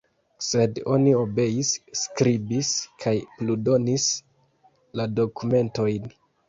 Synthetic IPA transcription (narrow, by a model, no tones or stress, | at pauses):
se̞do̞nio̞be̞isːkɾibiskʰajpludo̞nis | lado̞kume̞nto̞jn